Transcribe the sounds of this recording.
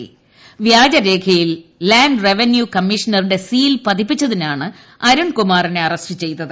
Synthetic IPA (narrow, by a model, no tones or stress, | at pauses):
ḭ | ʋjaːd͡ʑɐɾe̞ːkʰɐjillaːɳɖre̞ʋenjukɐmːiʂɐnɐruɽe̞siːlpɐd̪ipːit͡ɕːɐðinaːɳɨ | ɐɾuɳkumaːrineɐrɐstɨt͡ɕe̞jt̪ːɐðɨ